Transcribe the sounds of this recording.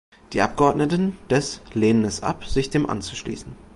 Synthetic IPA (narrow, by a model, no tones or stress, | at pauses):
d̥iːʔa̰p̚ɡ̥əɔɐdnətn̩d̥ɛsleːnənɛsʔa̰pz̥ɪçd̥eːmʔa̰nt͡su̥ʃlḭːsn̩